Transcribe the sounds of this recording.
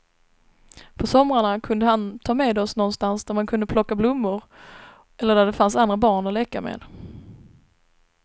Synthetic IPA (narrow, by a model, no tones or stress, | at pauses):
pʰɔsɔmɾaɳakʰɵnd̪əɦant̪ʰɑːmeːd̪ɔsnɔnst̪ansd̪æɾmankʰɵnd̪əpʰlɔkːablʊmːʊɾ | ɛlːəɖ̪æɖ̪ɛfansand̪ɾabɑːɳɔlɛkːa̰mḛːd̪